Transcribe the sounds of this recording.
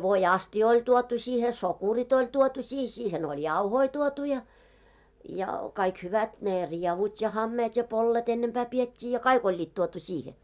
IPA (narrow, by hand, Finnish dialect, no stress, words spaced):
ʋoiɑstijɑ̆ olʲ tuotu siːhe sokurit olʲ tuotu siːh siːhen olʲ jɑuhoi tuotu jɑ jɑ kɑik hyʋæt neˑ riɛʋut jɑ hɑmːeːt jɑ polːet enːempæː pietʲːiː jɑ kɑik olʲːiːt tuotu siːhe